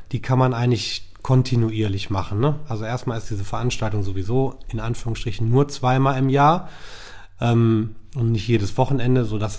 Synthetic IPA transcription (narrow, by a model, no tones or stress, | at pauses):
d̥iːkʰanmanʔaɪɡəŋtlɪçkʰɔntʰinuiːɐlɪçmaχn̩nəʔalzoʔeːɐstmaːlɪstd̥iːzəfɛɐʔanʃtaltʊŋzovizoːɪnʔanfyːʁʊŋsʃtʁ̥ɪçn̩nuːɐt͡sv̥aɪmaːlɪmjaːɐ | ʔɛːmʊntnɪçtjeːdəsv̥ɔχn̩ɛndəzoːdas